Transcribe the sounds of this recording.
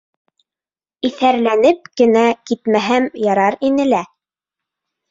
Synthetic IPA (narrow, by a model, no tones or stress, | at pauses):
iθæɾlænɘp̚kɘ̆nækit̪mæɦæmjɑɾɑɾinɘ̆læ